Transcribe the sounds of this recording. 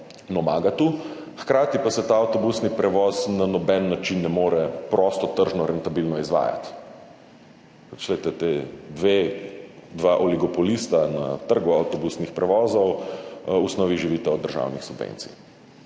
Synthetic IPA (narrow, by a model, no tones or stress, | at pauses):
nɔmaːɡat̪uxkɾaːt̪ipasɛt̪aawt̪ɔbusnipɾɛʋɔznanɔbɛnːat͡ʃinːɛmoːɾɛpɾɔst̪ɔt̪əɾʒnɔɾɛnt̪abilnɔizʋa̰ːja̰t̪ | at͡ʃlɛɪt̪ɛt̪eːd̪ʋe | d̪ʋaːʔɔliɡɔpɔlist̪ana̰t̪əɾɡuawt̪ɔbusnixpɾɛʋɔːzɔw | usnɔːʋiʒiʋit̪ɛɔd̪əɾʒa̰ːwnixsubʋḛnt̪sḭ